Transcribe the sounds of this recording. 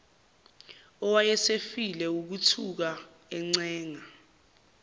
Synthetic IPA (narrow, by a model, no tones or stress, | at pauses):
ɔwajɛsefilɛuk̬utʰuk̬a | ɛŋ͡ǀɛːŋa